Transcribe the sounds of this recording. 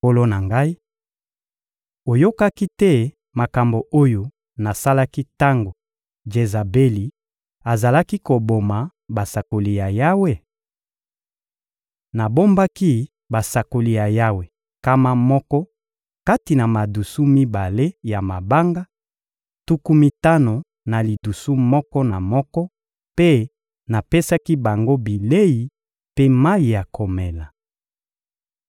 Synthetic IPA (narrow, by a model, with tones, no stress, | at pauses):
o˦lo˦na˨ŋɡa˦i˦ | o˨jo˦ka˦ki˦tɛ˦ | ma˨ka˨mbo˨ʔo˦jo˨ | na˨sa˦la˦ki˦ta˦ŋɡo˨ | d͡ʒe˨za˨be˦li˨ | a˨za˨la˦ki˦ko˨bo˨ma˨ | ba˨sa˨ko˨li˨ja˨ja˦we˦ | na˨bo˦mba˦ki˦ | ba˨sa˨ko˨li˨ja˨ja˦we˨ | ka˦ma˦mɔ˦kɔ˦ | ka˦ti˨na˨ma˨du˨su˦mi˦ba˨le˦ja˨ma˨ba˦ŋɡa˦ | tu˦ku˦mi˦ta˦no˨ | na˨li˨du˨su˦mɔ˦kɔ˦na˨mɔ˦kɔ˦ | pe˦ | na˨pe˦sa˦ki˦ba˨ŋɡo˦bi˨le˦ji˨ | pe˦ma˦i˨ja˨ko˨mɛ˨la˨